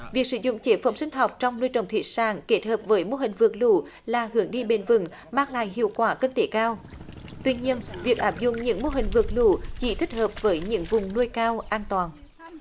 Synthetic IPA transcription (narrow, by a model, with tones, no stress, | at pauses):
vi˨˩ək̚sɨ̰˧˦zʊ̰˧˨ŋ͡mt͡ɕe˨˦fə˨˦msï˧ŋ̟ɦɔ˨˩wk͡p̚t͡ɕɔ˧wŋ͡mnu˧əjt͡ɕə˨˩wŋ͡mt̪ʰḭ˨˧˩ət̚saː˧˩ŋke˨˦˥t̚həː˨˩p̚vəː˨˦jmo˧ɦï˨˩ŋ̟vɨ˨˩ək̚lṵ˧˨ | laː˨˩hɨ˨˦əŋɗi˧ɓe˨˩nvɨ̰˧˩ŋ | maː˧ŋla̰ː˧˨jhḭ˧˨əwkwaː˨˩˦ki˧nt̪e˨˦kaː˧wt̪wi˧ɲi˧ənvi˨˩ək̚ʔaː˦˥p̚zʊ̰˧˨ŋ͡mɲɨ̰˧˥ŋmo˧ɦï˨˩ŋ̟vɨ˨˩ək̚lṵ˧˨t͡ɕḭ˧˩t̪ʰi˦˥k̟̚həː˨˩p̚vəː˨˦jɲɨ̰˧˥ŋvʊ˨˩ŋ͡mnu˧əjkaː˧wʔaː˧nt̪waː˨˩n